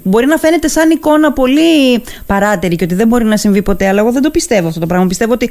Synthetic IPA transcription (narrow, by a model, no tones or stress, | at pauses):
bo̞ɾinɐfe̞ne̞t̪e̞sɐniko̞nɐpo̞li | pɐɾɐt̪eɾiceot̪iðe̞mbo̞ɾinɐsiɱvipo̞t̪e̞ɐlɐeɣo̞ðend̪o̞pist̪e̞voɐft̪o̞t̪pɾɐɣmɐpist̪e̞voot̪i